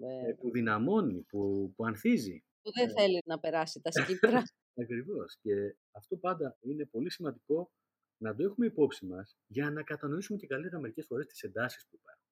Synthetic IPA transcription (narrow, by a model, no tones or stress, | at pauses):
neepuðinɐmo̞nipupuɐnθizḭ | puðeθe̞linɐpe̞ɾɐsit̪ɐsciɾɐ | ɐkɾivo̞sce̞ | ɐft̪o̞pɐnd̪ɐine̞po̞lisimɐnd̪iko̞ | nɐd̪o̞e̞xume̞ipo̞psimɐs | ʝɐnɐkɐt̪ɐno̞isumecekɐlit̪eɾɐme̞ɾice̞sfo̞ɾe̞st̪i̥se̞nd̪ɐsi̥spuipɐɾxun